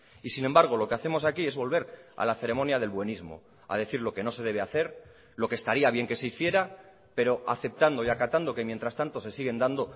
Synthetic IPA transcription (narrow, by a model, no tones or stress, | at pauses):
isinẽ̞mbaɾɣ̞o̞lo̞ke̞aθe̞mo̞sakie̞zβo̞lβ̞e̞ɾa̰laθe̞ɾe̞mõ̞njað̞e̞lβwe̞nizmo̰ | a̰ð̞e̞θiɾlo̞ke̞no̞se̞ð̞e̞βe̞aθe̞ɾ | lo̞kest̪aɾiaβ̞je̞ŋke̞se̞iθje̞ɾa | pe̞ɾo̞aθe̞p̚t̪and̪o̞iakat̪and̪o̞kemje̞nt̪ɾast̪ant̪o̞se̞siɣe̞nd̪and̪o̞